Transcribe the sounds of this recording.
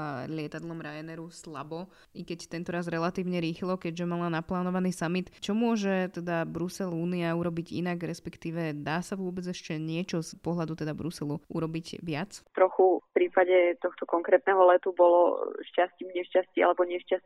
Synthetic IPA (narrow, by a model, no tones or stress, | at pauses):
alɪɛt̪ad̪lɔmɾajɛnɛɾusla̰bɔ | ikɛct̪ɛnt̪ɔɾazɾɛlat̪iːʊɲɛɾiːxlɔkɛɟʒɛmalanaplaːnɔʋaniːsamit̪t͡ʃɔmʊɔʒɛt̪ɛd̪abɾusɛluːniauɾɔbiɟḭnaɡɾɛspɛkt̪iːʋɛd̪aːsaʋʊɔbɛd͡zɛʃcɛɲɪɛt͡ʃɔspɔɦlad̪ut̪ɛd̪abɾusɛluʔuɾɔbiɟʋɪat͡st̪ɾɔxufpɾiːpaɟɛt̪ɔxt̪ɔkɔŋkɾɛːt̪nɛɦɔlɛt̪ubɔlɔ̰ʃcasciːmɲɛʃcascia̰lɛbɔɲɪɛʃcasi